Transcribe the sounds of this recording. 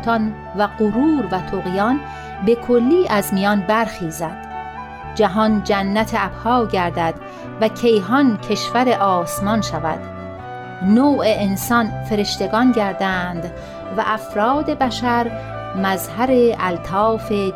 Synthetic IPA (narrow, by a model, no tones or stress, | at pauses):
t̪ʰɒn | væɡoɾuːɾvæt̪ʰoɣijɒn | be̞kʰolːiːʔæzmijɒnbæɾxiːzæd̪̥ | d͡ʒæɦɒnd͡ʒænːæt̪ʰeæphɒːɟæɾd̪æd̪̥ | væcʰe̞jɦɒncʰe̞ʃvæɾe̞ʔɒːsmɒnʃævæ̰d̪̥ | noːʔeːnsɒnfe̞ɾe̞ʃt̪e̞ɡɒnɟæɾd̪ænd̪ | væ̰ʔæfɾɒːd̪e̞bæʃæɾ | mæzhæɾeælt̪ʰɒːfe̞